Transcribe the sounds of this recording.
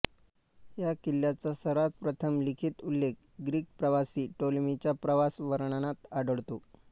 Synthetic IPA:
jakilːjat͡sasəɾat̪̚pɾət̪ʰəmlikʰiːt̪ulːek̚ɡɾiːk̚pɾəʋasiːʈolmit͡ɕjapɾəʋasʋəɾɳɳat̪aɖəɽt̪o

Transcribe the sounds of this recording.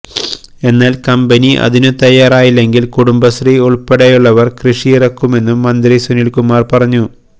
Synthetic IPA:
e̞nːaːlkɐmbɐniʔɐ̰ðinɨt̪ɐjːaːɾaːjilːe̞ŋɡilkuɽumbɐsriuɭpeɽɐjuɭːɐʋɐrkrɨʂijirɐkːume̞nːumːɐnd̪risunilkumːaːrpɐrɐɲːu

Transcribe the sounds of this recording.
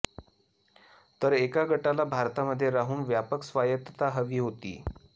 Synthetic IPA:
t̪əɾekaɡʱəʈalabʱaɾt̪aməd̪ʱːjeɾaɦuːnʋjapəksʋajət̪ət̪aɦəʋiːɦot̪ḭː

